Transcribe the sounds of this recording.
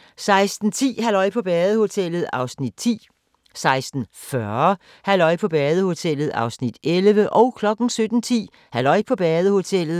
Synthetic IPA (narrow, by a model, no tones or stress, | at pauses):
sɑ̈ɪsd̥n̩t͡sʰḭːɦælɒ̽ɪ̰pʰɒ̽b̥ɛːð̞ˠəho̝t͡sʰel̰ð̩ˠɑ̈ʊsnid̥t͡sʰḭː | sɑ̈ɪsd̥n̩fɶɐ | hælɒ̽ɪpʰɒ̽b̥ɛːð̞ˠəho̝t͡sʰel̰ð̞̩ˠɑ̈ʊsnid̥elʋəʔɒ̽ʊkʰlɒ̽ɡ̥n̩sød̥n̩t͡sʰḭː | hælɒ̽ɪ̰pʰɒ̽b̥ɛːðˠəho̝t͡sʰel̰ð̩ˠ